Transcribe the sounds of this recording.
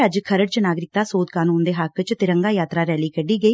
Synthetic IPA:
əd͡ʒkʰəɾəɽt͡ʃənaːɡɾɪk̚t̪ãːsoːd̪kaːnuːnd̪eːɦəkt͡ʃt̪ɪɾəŋɡaːjaːt̪ɾaːɾɛːliːkəɖːiːɡəiː

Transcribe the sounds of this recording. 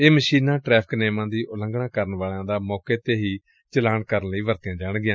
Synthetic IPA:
eːməʃiːnãːʈɾɛːpʰɪ̥kneːmãːd̪iːʔʊlə̃ŋɡɳãːkəɾənʋaːɭãːd̪aːmɔːkeːt̪eːɦiː | t͡ʃəlaːɳkəɾənləiːʋəɾt̪ɪjãːd͡ʒaːɽɡɪjãː

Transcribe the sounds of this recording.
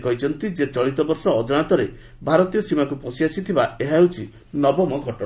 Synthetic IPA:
kɔɦit͡ʃʰɔnt̪id͡ʒet͡ʃɔɭit̪ɔbɔɾsɔːd͡ʒɔɽ̃at̪ɔɾe | bʱaɾɔt̪ijɔsimakupɔsiasit̪ʰibaeɦaɦewt͡ʃʰi | nɔbɔmɔɡʱɔʈɔ

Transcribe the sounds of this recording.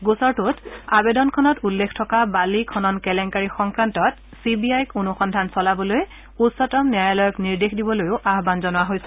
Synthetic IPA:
ɡusɔɹtutabedɔnkʰɔnɔtulːekʰtʰɔkabalikʰɔnɔnkɛlɛŋkaɹixɔŋkɹantɔt | sibiajkunuxɔndʱansɔlabɔloj | utsɔtɔmnijajalɔjɔkniɹdexdibɔlojʊʔaɦbanzɔnʊwaɦojsɛ̥

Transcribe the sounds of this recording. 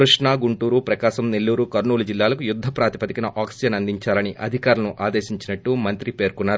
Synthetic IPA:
kɾuʂɳaːɡuɳʈuːɾupɾɐkaːʃɐmnelːuːɾukɐɾnuːlud͡ʒilːaːlɐkujud̪ʱːɐpɾaːt̪ipɐt̪ikinɐʔaːksid͡ʒɐnɐnd̪ʱiɲt͡ʃaːlɐniʔɐd̪ʱikaːɾlɐnuʔaːd̪eːʃiɲt͡ʃinɐʈːumɐnt̪ɾipe̞ːɾkunːaːɾu

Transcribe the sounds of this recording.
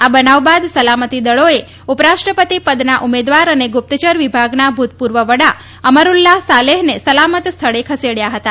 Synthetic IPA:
abənaʋbad̪səlamət̪id̪əɭoe | upəɾaʃʈɾəpət̪ipəd̪naʔumed̪ʋaɾəneɡʊp̚t̪ət͡ʃəɾʋibʱaɡnabʱut̪̚puɾʋəʋəɽa | əməɾulːasaleɦnesəlamət̪st̪ʰəɭekʰəseɽjaɦət̪a

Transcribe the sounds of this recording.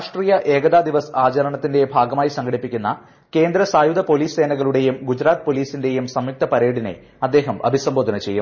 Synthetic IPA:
aʂʈriːjɐʔe̞ːɡɐd̪aːd̪iʋɐsaːt͡ɕɐɾɐɳɐt̪ːinde̞bʱaːɡɐmaːjisɐŋɡʰʱɐɽipːikʲːunːɐ̰ | ke̞ːnd̪ɾɐsaːjud̪ɐpo̞liːsse̞ːnɐɣɐɭuɽe̞jumɡud͡ʑɾaːt̪ɨ̥po̞ːliːsinde̞jumsɐmjuk̚t̪ɐpɐɾeːɽine̞̰ | ɐd̪ːe̞ːɦɐmʔɐ̰bʱisɐmboːd̪ʱɐnɐt͡ɕe̞jːṵm

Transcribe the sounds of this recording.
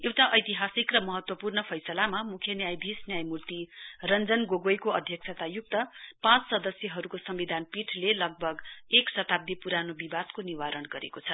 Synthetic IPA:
ewt̪aʔʌjt̪iɦasikrʌmʌɦʌt̪wʌpurnʌpʰʌjsʌlamamukʰjʌnjajbʱisnjajmurt̪irʌnd͡zʌnɡoɡojkoʌd̪ʱjʌk̚sʰʌt̪ajuk̚t̪ʌpãt͡ssʌd̪ʌsjʌɦʌɾukosʌmbid̪ʱanpiʈʰlelʌɡ̚bʱʌɡeksʌt̪ab̚d̪ipuɾanobibad̪koniwaɾʌnɡʌɾḛkot͡sʰʌ

